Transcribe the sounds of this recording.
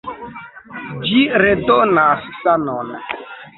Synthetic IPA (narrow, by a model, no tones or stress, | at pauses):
d͡ʒiɾedonasːanon